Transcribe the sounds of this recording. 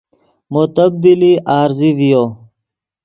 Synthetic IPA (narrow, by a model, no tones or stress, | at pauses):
mʊt̪əb̚d̪iliʔaːɾzivijoː